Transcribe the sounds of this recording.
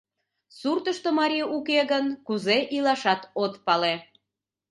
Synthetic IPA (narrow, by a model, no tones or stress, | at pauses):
surt̪əʃt̪omɑɾʲijukeɣənkuzeʔilɑʃɑt̪ot̪pɑle